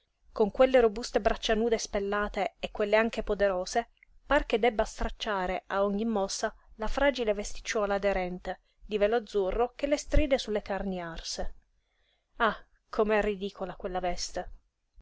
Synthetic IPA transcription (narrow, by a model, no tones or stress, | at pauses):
koŋkwelːeɾobust̪ebɾʔat͡ʃːanuːd̪espelːaːt̪eːkːwelːeaŋkepod̪eɾoːse | park̟ed̪ɛbːast̪ɾat͡ʃːaːɾeaɔɲːimːɔsːalafɾaːd͡ʒilevest̪i̥t͡ʃːwɔːlaːd̪eɾɛnt̪e | d̪iveload̪zːurːok̟elːest̪ɾiːd̪esulːekarniarse | a | kʰomeɛrːid̪iːkʰolakwelːavɛst̪e